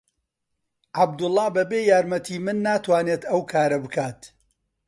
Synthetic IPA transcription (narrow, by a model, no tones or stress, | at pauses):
ʕabd̪ʊlˠːɑːbɐbeːjaːɾmɐt̪ʰiːmɨnːaːt̪ʰwaːneːt̪ɐwkʰaːɾɐbɨkʰaːt̪